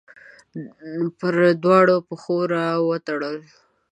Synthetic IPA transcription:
pəɾd̪wɑɽopəxoɾawət̪aɽəl

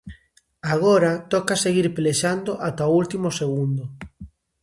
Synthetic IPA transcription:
aɣ̞oɾat̪ɔkaseɣiɾpleʃand̪oʔat̪aoult̪imoseɣ̞und̪o

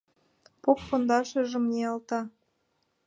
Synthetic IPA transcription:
pokfond̪ɑʃĕʒə̆mnʲeɑlt̪ɑ

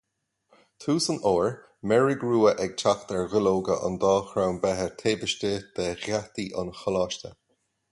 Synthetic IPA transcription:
t̪ʰuːsənʔoːɹ | mɛɹiɡɹuːəʔɛɡ̚t͡ʃʰakt̪ɛɹɣɪloːɡəʔə̰nd̪ɑːxɾawnbɛɦət̪ʰeːvɪʃtəd̪̥ɛɣat̪iʔə̰nxɔlaːʃtə

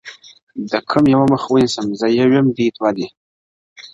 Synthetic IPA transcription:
d̪əkʰəmjawaməxwənisəmzəjawjemd̪it̪wad̪i

